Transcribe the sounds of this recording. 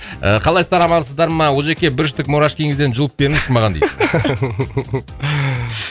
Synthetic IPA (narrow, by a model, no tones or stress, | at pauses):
ə̰qʰɑlˠɑjst̪ɑɾɑmɑɾsəzd̪ɑɾmɑwolˠʒe̞kʲebɪɾʒ̬ɪt̪ɪkmoɾɑʃkʲʰeŋɪzd̪enʒʊlˠəp̚be̞ɾɪŋʃɪɾmɑʁɑnd̪ḛj̪